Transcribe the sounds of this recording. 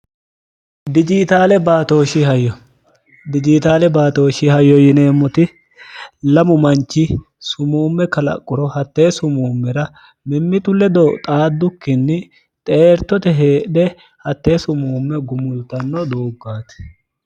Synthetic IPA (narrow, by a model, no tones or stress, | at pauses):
d̪ɪd͡ʒɪt̪aːlɛbaːt̪o̞ːʃihɐjːɔ | d̪ɪd͡ʒɪt̪aːlɛbaːt̪o̞ːʃɪhɐjːɔjɪneːmːʊt̪ɪ | lɐmʊmɐnt͡ʃːɪ | sʊmuːmːɛkɐlɐ̰kʼːʊɾɔhɐt̪ːe̞ːsʊmuːmːɛɾɐ | mɪmːɪt̪ʊlːɛd̪ɔt̪ʼaːd̪ːʊkːɪnːɪ | t̪ʼeːɾt̪ːɔt̪ɛɦeːdɛ | hɐt̪ːeːsʊmuːmːɛɡʊmʊlt̪ːɐnːɔd̪oːɡːaːt̪ɛ̥